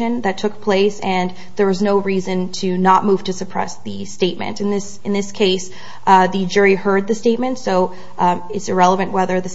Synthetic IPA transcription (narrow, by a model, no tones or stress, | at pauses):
ɨ̃nðɨtʰʊk̚pʰl̥eɪsɨ̃n | ðə˞wʌznoʊɹizɨ̃ntʰɨnət̚muv̥tʰɨsɨpʰɹ̥ɛ̰sðɨsteɪt̚mɨ̰̃ntɨ̃nðɪsɨ̃nðɪskʰeɪs | ðɨd͡ʒʊɹihɜ˞d̪̚ðɨsteɪt̚mɨ̃ntsoʊ | ɨtsɨɹɛlˠəvɨ̃nʔwɛðə˞ðɨ